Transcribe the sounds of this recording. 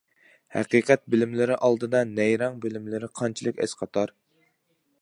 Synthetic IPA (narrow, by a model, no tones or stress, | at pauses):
hæ̰qiːqɛt̪̚bɪlɪmlɪɾɪʔɑlˠd̪ɨd̪ɑnɛjɾɑŋbɪlɪmlɪɾɪqʰɑnt͡ʃʰilˠɨkʲɛ̰sqʰɑt̪ʰɑɾ